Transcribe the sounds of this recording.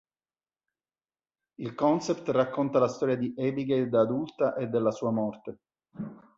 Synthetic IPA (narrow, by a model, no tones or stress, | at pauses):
ilkɔnsept̪rakːont̪alast̪ɔːɾjad̪iʔɛbiɡejd̪aːd̪ult̪aʔed̪ːelːasuːamɔrt̪e